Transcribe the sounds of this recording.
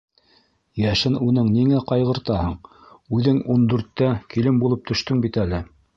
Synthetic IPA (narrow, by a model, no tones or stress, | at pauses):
jæʃɘnunɤŋniŋæqɑjʁɤ̆ɾt̪ɑhɤɴ | ʉðɘŋund̪ʉɾt̪ːækilɘmbulˠɤp̚t̪ʰɵ̆ʃt̪ɵŋbit̪ælɘ